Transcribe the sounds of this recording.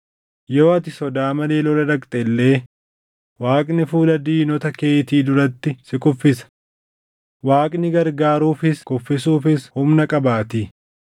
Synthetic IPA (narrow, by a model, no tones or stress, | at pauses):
jo̞ːɐt̪ɪsɔd̪aːmɐle̞ːlɔlɐd̪ɐkʼt̪ʼɛlːe̞ː | waːkʼnɪfuːlɐd̪iːnɔt̪ɐkeːt̪iːd̪ʊɾɐt̪ːɪsɪkʼʊfːɪsɐ̥ | waːkʼnɪɡɐɾɡaːɾuːfɪskʼʊfːɪsuːfɪshʊmnɐkʼɐbaːt̪i